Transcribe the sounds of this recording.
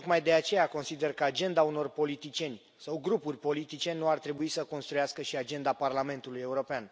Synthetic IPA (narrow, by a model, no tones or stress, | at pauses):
t̪okmajd̪e̞at͡ʃe̞jako̞nsid̪e̞rkəad͡ʒe̞nd̪auno̞rpo̞lit̪it͡ʃie̞nʲ | sawɡɾupurʲpo̞lit̪it͡ʃenːuart̪ɾe̞buisəko̞nst̪ɾujaskəʃiad͡ʒe̞nd̪aparlame̞nt̪uluje̞uɾo̞pean